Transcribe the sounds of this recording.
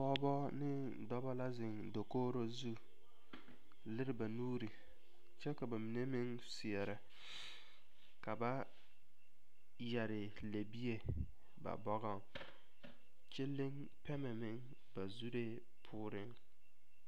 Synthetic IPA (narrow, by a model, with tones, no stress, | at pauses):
ɔ˦bɔ˦nɪ˦ | dɔ˦bɔ˦la˦zɪ˨ŋdo˨koː˦ɾo˦zu˦ | lɪ˦ɾɪ˨ba˨nuː˦ɾi˨ | t͡ʃɛ˦ka˨ba˨mɪ˨ne˦mɪ˦ŋ | sɪ˨ɛ˨ɾɪ˦ | ka˨ba˦ | ja˨ɾɪ˨ | le˨bi˦e˨ | ba̰˨bɔ˦ɣɔ˦ | t͡ʃe˦lːɪ˦ŋ | pɛ˦mɛ˨mɪ˦ŋ | ba˨zu˦ɾe˦ | pʰʊː˦ɾɪ˦ŋ